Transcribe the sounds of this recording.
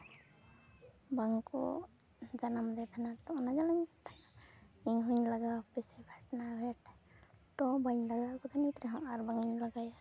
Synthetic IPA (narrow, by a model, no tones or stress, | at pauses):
baŋkɔ̰ | d͡ʒanamd̪ɛt̪ʰanat̪ɔnad͡ʒalaɲt̪ʰanaiŋɦuɲlaɡapɛsɛbʱaʈnabʱɛʈt̪ɔbaɲlaɡakɔt̪ʰanit̪ɾɛɦɔ̃ŋaɾbaŋiɲlaɡaj